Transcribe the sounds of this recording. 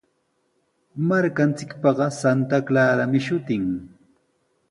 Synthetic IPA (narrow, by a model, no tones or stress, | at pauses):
maɾkant͡sɪkpɑɢɑsant̪aklaːɾamɪʃʊt̪ɪŋ